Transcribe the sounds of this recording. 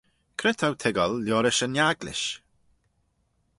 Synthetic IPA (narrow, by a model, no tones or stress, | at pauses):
kʰɾɪt̪ʰawt̪ʰɪɡəlːjɔːɾɪʃənjaɡlɪ̰ʃ